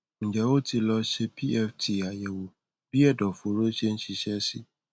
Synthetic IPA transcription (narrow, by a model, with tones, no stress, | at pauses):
ũ˨d͡ʒɛ˨˦o˦ti˧lɔ˧ʃe˧pi˦ɛ˧ftʰi˨a˨jɛ˨wo˨ | b̥i˦ɛ˦˨dɔ˨fo˨˦ɾo˦ʃe˦ñ̩˦ʃi˧ʃɛ˦si˦